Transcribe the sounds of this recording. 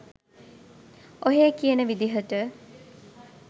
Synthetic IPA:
oɦeːkijənəʋid̪iɦəʈə

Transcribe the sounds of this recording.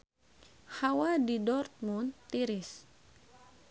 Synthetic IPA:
hawadidɔrt̪̚munt̪iɾɪs

